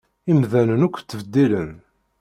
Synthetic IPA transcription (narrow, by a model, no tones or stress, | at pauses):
imðænənukʷːt͡sːəvəd̪ːilən